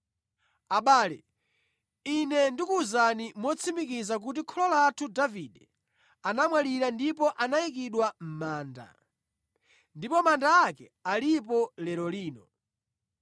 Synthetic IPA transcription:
aɓaːlɛ | inɛndikuuzanimɔt͡sʰimikizak̬ut̬ikʰɔlɔlatʰudavidɛ | anamwaliɾandipɔʔanaik̬iɗwam̩maːnda̰ | ndipɔmandaːkɛ | alip̬ɔlɛɾɔliːnɔ

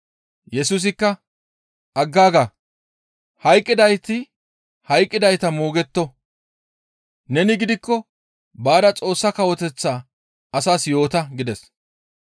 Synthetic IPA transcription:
jɛsuːs̬ɪkːɐ | ʔɐɡːaːɡa | hɐjkʼːɪd̪ɐjt̪ɪ | hɐjkʼːɪd̪ɐjt̪ɐmoːɡɛt̪ːɔ | nɛnɪɡɪd̪ɪkːɔ | baːd̪ɐt͡sʼo̞ːsːɐkɐwɔt̪ɛt͡sːaː | ɐsaːsjo̞ːt̪ɐɡɪd̪ɛs

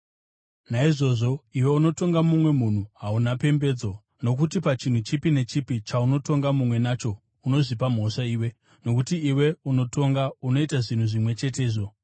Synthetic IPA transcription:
naiʐo̞ːʐo̞iwe̞uno̞to̞ŋɡamumwe̞mun̤uɦaunape̞mbe̞ːd͡zo̞ | no̞k̬utipat͡ʃin̤ut͡ʃipine̞t͡ʃipit͡ʃauno̞to̞ŋɡamumwe̞naːt͡ʃo̞ | uno̞ʐipam̤o̞ʂaiːwe̞ | no̞kutiːwe̞uno̞to̞ŋɡauno̞itaʐin̤uʐimwe̞t͡ʃe̞t̬e̞ːʐo̞

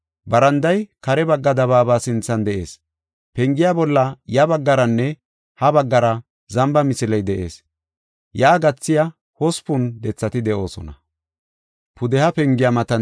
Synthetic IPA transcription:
bɐɾɐnd̪ɐjkɐɾɛbɐɡːɐd̪ɐβaːbaːsɪnt͡sːɐnd̪ɛʔe̞̰ːs | pɛŋɡɪjabɔlːɐjɐbɐɡːɐɾɐnːɛ | hɐbɐɡːɐɾɐ | zɐmbɐmɪsɪlɐjd̪ɛʔe̞̰ːs | jaːɡɐt͡sːɪja | hɔspʊnd̪ɛt͡sːɐt̪ɪd̪ɛʔo̞ːsɔnɐ | pʰʊd̪ɛhɐpɛŋɡɪjamɐt̪ɐ

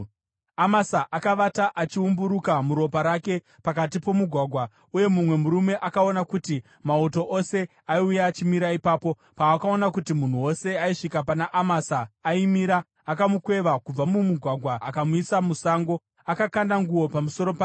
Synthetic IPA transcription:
amasaʔakaʋataʔat͡ʃiumbuɾukamuɾo̞paɾake̞ | pakat̬ipo̞muɡʱwaɡʱwa | uje̞mumwe̞muɾume̞ʔakao̞nakuti | mauto̞ʔose̞ | aiujaːt͡ʃimiɾaipaːpo̞ | paːkao̞nakutimun̤uwo̞se̞aiʂikapanaʔamasaːimiɾaː | kamukwe̞ʋakub͡vamumuɡʱwaɡʱwaːkamuisamusaːŋɡo̞ | akakandaŋɡuwo̞pamuso̞ɾo̞pa

